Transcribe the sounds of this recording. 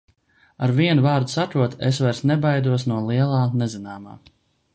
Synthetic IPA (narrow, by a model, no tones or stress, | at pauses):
aɾviɛnuvaːɾd̪u̥sat̪ɾuɔt̪esvaɾsnɛbajd̪uɔs̬nuɔlˠiɛlˠaːnɛzinaːma̰ː